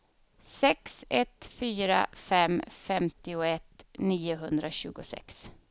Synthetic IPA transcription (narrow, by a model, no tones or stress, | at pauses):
sɛksɛt̪fyːɾa̰fɛmfɛmt̪ɪʊɛt̪niːʊɦɵnd̪ɾaɕʉ̟ːɡʊsɛ̰ks